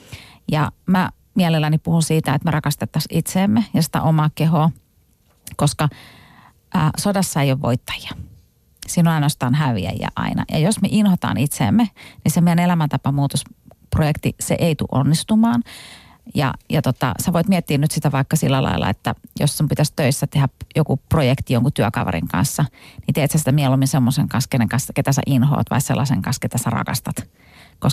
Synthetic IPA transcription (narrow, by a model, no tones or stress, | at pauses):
jɑmæ | miælelːænipuhunsiːt̪æet̪merɑkɑst̪et̪ːɑsit̪seːmːejɑsi̥t̪æ̰ʔomɑːkeɦoː | koskɑ | ʔəːsodɑsːɑeijoʋʋo̰it̪ːɑ̥jɑ̥ | siːnonɑinost̪ɑːnɦæʋḭæ̰jæ̰ʔɑ̰inɑ̰jɑ̰josmeʔinhot̪ɑ̰ːnit̪sḛːmːenisemeænelæmænt̪ɑpɑmuːt̪osprojekt̪isḛʔeit̪ṵʔo̰nːist̪umɑːn | jɑ̰jɑt̪ot̪ɑ̰sæʋoit̪miɛt̪ːiːnnyt̪sit̪æʋɑikːɑsilːælɑ̰ilːɑ̰et̪ːæjo̰sːumpit̪æst̪øisːæt̪ehæjokuprojekt̪ijoŋkut̪yækɑʋɑ̰rḭŋkɑ̰̃nsːɑnit̪eːt̪hæsi̥t̪æmiɛlumːinsemːoseŋkɑnskenːeŋkɑnsket̪æsæ̰ʔinho̰ːt̪ʋɑ̰isselːɑsḛŋkɑnsket̪æsærɑ̰kɑst̪ɑt̪ | kos